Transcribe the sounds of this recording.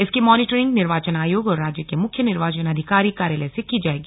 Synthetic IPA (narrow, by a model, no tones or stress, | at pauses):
ɪskimɔːnɪʈəɾɪ̃ŋɡnɪɾʋaːt͡ʃənaːjoːɡɔːɾːaːd͡ʒjəkemʊkʰːjənɪɾʋaːt͡ʃənɐd̪ʱɪkaːɾikaːɾjələjsekiːd͡ʒaːeːɡiː